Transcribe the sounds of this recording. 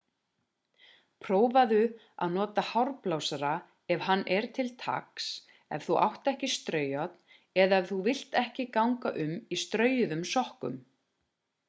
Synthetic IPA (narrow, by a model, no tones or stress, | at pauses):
pʰɾoːwvaðʏ | a̰ðnɔːt̪ahawɾplawsaɾa | ɛvɦanːʔɛɾ̥t̪ʰɪlt̪ʰa̰ks | ɛ̰vθuʔa̰wht̪ɛhcɪst̪ɾœːɥjat̪n̥ | ɛðaɛvθuvɪl̥t̪ɛhcɪkawŋkaʔʏmist̪ɾœːɥjʏðʏmsɔhkʏ̰m